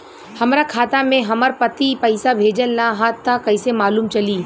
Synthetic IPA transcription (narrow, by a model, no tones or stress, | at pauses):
hɐmɾakʰaːt̪amẽɦɐməɾpɐt̪ipəɪsabʱeːd͡ʒəlnaɦaːt̪ːakɐɪsemaːluːmt͡ʃɐliː